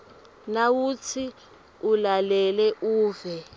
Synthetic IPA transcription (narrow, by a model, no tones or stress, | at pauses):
nawut͡sʰi | ulalɛlɛʔuːvɛ